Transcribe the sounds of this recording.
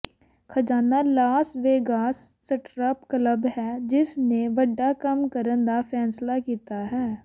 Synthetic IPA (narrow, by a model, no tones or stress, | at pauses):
kʰɐd͡ʒaːnalaːsʋeːɡaːsːəʈɾəpkləbɦɛd͡ʒɪsneʋɐɖːakɐmkəɾə̃nd̪afʰɛːnslakiːt̪aɦɛː